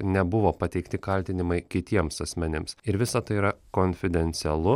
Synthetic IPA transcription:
nʲɛbʊʋoːpɐt̪ʲɛɪkt̪ʲɪkɐlʲt̪ʲɪnʲɪmɐɪkʲɪt̪ʲiɛmsɐsʲmʲɛnʲɪmsɪɾʋʲɪsɐt̪ɐɪiːɾɐkoːnʲfʲɪd̪ʲɛnʲt̪sʲɛlˠʊ

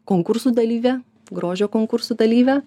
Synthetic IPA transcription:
koːŋkʊɾsuːd̪ɐlʲiːʋʲɛ | ɡɾoːʒʲoːkoːŋkʊɾsuːd̪ɐlʲiːʋʲɛ

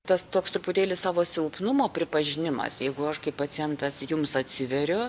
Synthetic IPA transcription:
t̪ɐst̪oːkst̪ɾʊpʊt̪ʲeːlʲɪssɑːʋoːsʲɪlʊpnʊmoːpʲɾʲɪpɐʒʲɪnʲɪmɐ̰sjɛɪɡʊɐʃkɐɪpɐt͡s̪ʲɪjɛnt̪ɐsjʊmsɐt̪ʲsʲɪʋʲɛɾʲʊ

